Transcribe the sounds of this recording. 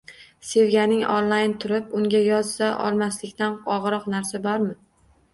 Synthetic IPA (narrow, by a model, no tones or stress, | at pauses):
se̞vɡʲanɪŋo̰nlˠajnt̪ʰʊɾɪpʊŋɡʲajɒzsaʔɒ̰lˠmaslɪkʲt̪anɒʁɨɾɒqnaɾsabɒɾmɪ